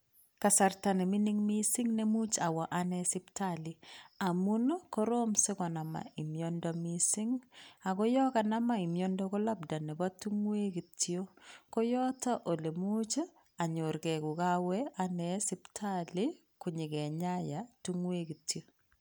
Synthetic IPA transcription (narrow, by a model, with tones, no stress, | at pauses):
ka˨sa˨rta˨ne˨mi˦ni˦ŋmisɪ˦ŋne˦mu˦t͡ʃa˨wa˨ʔanɛsɪ˦ptalia˨mun˦kɔ˦ɾomsɪ˦kɔ˨na˨ma̰˨i˨mjɔndɔmisɪ˦ŋa˨kɔ˦jɔ˦kana˦ma˦i˨mjɔndɔkɔ˦la˦bda˨ne˨ba˦tu˦ŋwe˦ki˨tjo˦kɔ˦jɔ˦tɔ˦ʔo˨le˨mu˦t͡ʃ | a˨ɲo˨ɾkɛ˨ku˨kawɛanɛsɪ˦ptʰali˦ | kuɲɪ˨kɛ˨ɲajatu˦ŋwe˦ki˨tjo˦